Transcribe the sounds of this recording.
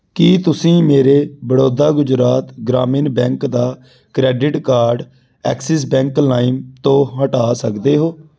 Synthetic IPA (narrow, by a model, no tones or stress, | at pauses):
kiːt̪ʊsĩːmeːɾeːbəɽoːd̪aːɡʊd͡ʒɾaːt̪ɡɾaːmiːnbɛ̃ːŋkd̪aː | kɾɛːɖɪʈkaːɾɖ | ɛ̰ːksɛs̬bɛ̃ːŋklaːimt̪õːɦəʈaːsəkd̪eːɦoː